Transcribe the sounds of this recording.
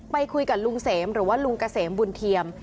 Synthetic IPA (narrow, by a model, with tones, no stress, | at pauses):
pa˧jkʰu˧jka˨˩lu˧ŋseː˩˦mɾɯː˩˦waː˥˩lu˧ŋka˧seː˩˦mbu˧nt̪ʰi˧əm